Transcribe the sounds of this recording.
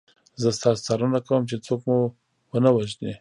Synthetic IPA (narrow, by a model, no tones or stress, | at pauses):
zəst̪ɑst͡sɑɾənakawəmt͡ʃet͡sokmu | wənawaʒne